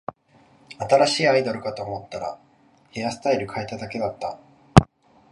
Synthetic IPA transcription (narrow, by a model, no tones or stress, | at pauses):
at̪aɾaɕiːaid̪o̞ɾɯ̟kat̪o̞ːmo̞t̪ːaɾa̰ | he̞jasɨ̥t̪aiɾɯ̟kʰae̞t̪ad̪ake̞d̪at̪ːa